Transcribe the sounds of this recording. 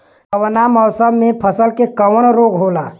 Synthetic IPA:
əʋnamɔʊsəbmẽpʰəsəlkekəwəɽ̃ɾoːɡɦoːlaː

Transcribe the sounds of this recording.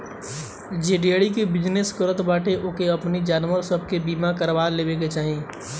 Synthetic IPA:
d͡ʒeːɖieɽikebɪd͡ʒneskəɾət̪baːʈeʔoːkeɐpnid͡ʒaːnwəɾsəb̚ʱkebiːmakəɾʋaːleːbeɡet͡ʃaːɦĩː

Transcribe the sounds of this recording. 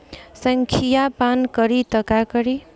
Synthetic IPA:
sʌŋkʰijapankʌɾit̪ʌkakʌɾi

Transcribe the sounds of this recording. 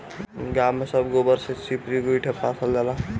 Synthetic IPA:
ɡamːesəbɡobəɾsesipɾiɡuiʈʰepːasʰəld͡ʒala

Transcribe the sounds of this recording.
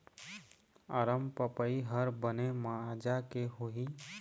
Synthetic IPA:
əɾəmpəpəiɦəɾbənemad͡ʒakeɦoɦi

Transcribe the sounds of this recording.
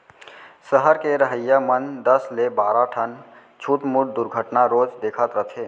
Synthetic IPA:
səɦəɾkeɾəɦəjːamənd̪əslebaɾaʈʰən | t͡ʃʰut̪muɽd̪uɾɡʱəʈnaɾod͡ʒd̪ekʰət̪ɾət̪ʰe

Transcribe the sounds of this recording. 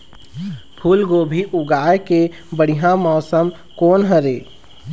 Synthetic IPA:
pʰuːlɡoːbʱiʔʊɡaːeke | bəɽ̤iɦãmɔːsəm | koːnɦəɾeː

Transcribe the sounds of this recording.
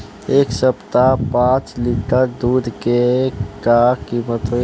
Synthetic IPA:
eːksəpt̪apãːt͡ʃliːʈəɾd̪uːd̪ʱkekakiːmət̪ɦo

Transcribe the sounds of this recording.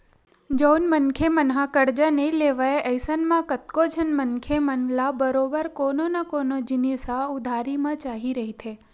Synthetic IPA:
d͡ʒəwnmənkʰemənɦãkəɾd͡ʒaneleʋaeʔəjsənmãkət̪kod͡ʒənmənkʰemənlabəɾobəɾkononakonod͡ʒinisaʊd̪ʱaɾimãt͡ʃaɦiɾəɦit̪ʰe

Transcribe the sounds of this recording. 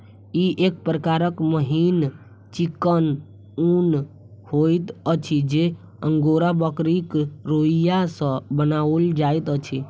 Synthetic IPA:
iʔeːk̚pɾəkaːɾəkməɦin | t͡ʃikːən | un | hoːit̪ət͡ʃʰid͡ʒe | ə̃ŋɡoːɾabəkɾikɾoijasə̃bənaːəld͡ʒaːit̪ət͡ʃʰi

